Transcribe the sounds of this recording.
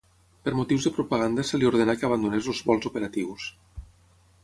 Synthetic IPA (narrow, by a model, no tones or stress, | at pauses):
pəɾmut̪iwzðəpɾupaɣand̪asəliuɾðenakeaβ̞and̪unezolˠzβɔlˠzupəɾat̪iws